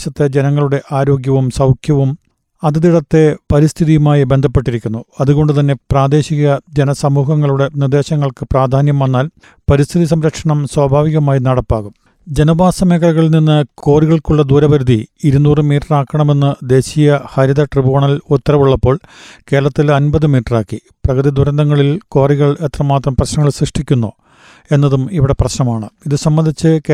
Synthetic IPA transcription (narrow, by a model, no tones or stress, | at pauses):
ɕɐt̪ːed͡ʑenɐŋːɐɭuɽe̞ʔaːɾo̞ːɡjɐʋumsɐwkʰjɐʋum | ɐðɨd̪iɽɐt̪ːe̞pɐɾist̪ʰiðijumaːjibe̞nd̪ʱɐpːe̞ʈːiɾikʲːunːuɐðuɣo̞ɳɖɨt̪̬ɐnːe̞praːd̪e̞ːɕiɣɐd͡ʑenɐsɐmuːɦɐŋːɐɭuɽe̞nird̪e̞ːɕɐŋːɐɭkɨpraːd̪ʱaːnjɐmʋɐnːaːl | pɐɾist̪ʰiðis̬ɐmɾɐkʂɐɳɐmswabʱaːʋiɣɐmaːjinɐɽɐpːaːɣum | d͡ʑe̞nɐbʱaːsɐmeːkʰɐɐɣɐɭilninːɨko̞ːriɣɐɭkuɭːɐd̪uːɾɐbɐɾud̪ʱiːɾunuːrɨmiːʈraːkːɐɳɐme̞nːɨd̪e̞ːɕijɐhɐɾiðɐʈribuːɳɐlut̪ːɐɾɐʋuɭːɐpːo̞ːɭke̞ːɾɐɭɐt̪ːilɐnbɐðɨmiːʈːraːkːi | prɐɣɐðid̪uɾɐnd̪ʱɐŋːɐɭilko̞ːriɣɐɭet̪rɐmaːt̪rɐmprɐɕnɐŋːɐɭsrɨʂʈʰikʲːunːu | e̞nːɐðumiʋiɽe̞prɐɕnɐmaːɳɨiðɨsɐmːɐnd̪ʱit͡ɕːɨkː